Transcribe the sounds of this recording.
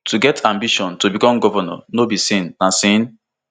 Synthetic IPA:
tuɡɛtʰãmbiʃɔ̃ntobikɔ̃mɡɔvanɔ̰nobisĩnːasĩn

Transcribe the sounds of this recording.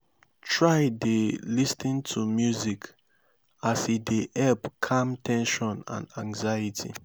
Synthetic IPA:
tʰɹaɪdelistĩntʰumjuzik | asideʔɛlpkʰãmtɛ̃nʃɔ̃nã̰nãŋzajitʰḭ

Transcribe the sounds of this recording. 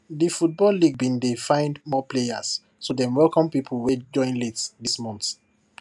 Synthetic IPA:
difut̚bɔlːiɡ̚bĩndefãɪ̃ndmɔpleja̰s | sodɛ̃mwɛlkɔ̃mpipʰlwɛd͡ʒɔ̃ɪ̃nletsdismɔ̃nt

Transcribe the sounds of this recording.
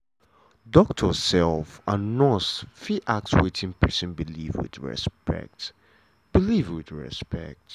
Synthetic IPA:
dɔk̚tʰəsɛlˠfanɔsfiʔak̚t͡ʃuetʰɪ̃ŋpʰɜ˞sə̃nbilivwɪ̰dɹɛ̰spɛ̰k̚t | b̥ilivwɪdɹɛ̰spɛ̰k̚t

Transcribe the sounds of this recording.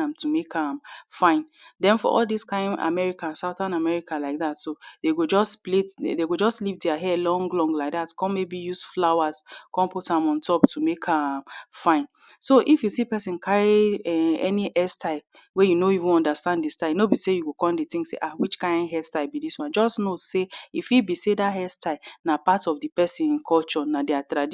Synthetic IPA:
ãmtʰumekʰamfãɪ̃n | dɛ̃nfɔ̰ʔɔ̰lˠdiskãɪ̃na̰mɛɹikãnsaʊθãnamɛɹikalaɪk̚ðatsodeɡod͡ʒɔspledeɡod͡ʒɔstlivdɛaɦɛlɔ̃ŋɡlɔ̃ŋlaɪk̚ðatkɔ̃mebijusflawaskʰɔ̃mputãmɔ̃ntʰɔptumekʰamfãɪ̃n | soʔifjusipɛsĩnkʰaɹiɛɛ̰niʔɛstaɪ | wejunoivĩnɔ̃ndastãnddistanobisejuɡokɔ̃nditĩŋsḛʔawit͡ʃkãɪ̃ndɦɛstaɪbidiswãnd͡ʒɔsnoseifibisedaɦɛstaɪnapatɔfdipɛsĩnĩnkʰɔlt͡ʃɔnadɛatɹad

